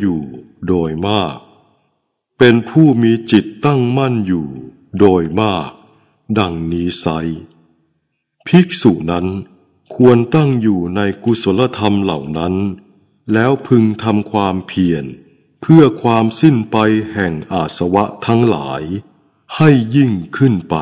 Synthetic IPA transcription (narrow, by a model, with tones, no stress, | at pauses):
juː˨˩ | doː˧jmaː˥˩k̚ | pe˧npʰuː˥˩miː˧t͡ɕi˨˩t̪ːa˥˩ŋma˥˩njuː˨˩ | doː˧jmaː˥˩k̚ | da˧ŋniː˦˥sa˦˥j | pʰi˦˥k̚su˨˩na˦˥n | kʰu˧ənt̪a˥˩ŋjuː˨˩na˧jku˧˩so˩˦la˧t̪ʰa˧mla˨˩wna˦˥n | lɛː˦˥wpʰɯ˧ŋt̪ʰa˧mkʰwaː˧mpʰi˨˩ən | pʰɯ˥˩ɐkʰwaː˧msi˥˩npa˧jhɛ˨˩ŋʔaː˨˩t̪̚sa˧wa˦˥ʔt̪ʰa˦˥ŋla̰ː˩˦j | ha˥˩jːi˥˩ŋkʰɯ˥˩npa˧